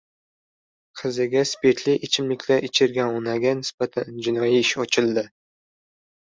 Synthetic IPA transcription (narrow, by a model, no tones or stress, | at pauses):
qʰɨzɪɡʲaspeɾt̪ʰlɪʔɪt͡ʃʰɪmlɪkʲʰlaɾɪt͡ʃʰɪɾɡʲanʊnaɡʲanɪspat̪ʰand͡ʒɪnɒjiɪʃɒt͡ʃʰɪlˠd̪ɪ